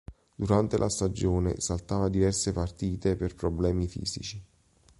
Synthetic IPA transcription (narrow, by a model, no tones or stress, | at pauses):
d̪uɾant̪elʔa̰st̪ad͡ʒoːnḛsalt̪aːvad̪ivɛrsepart̪iːt̪eperpɾoblɛːmifḭːz̥ḭt͡ʃi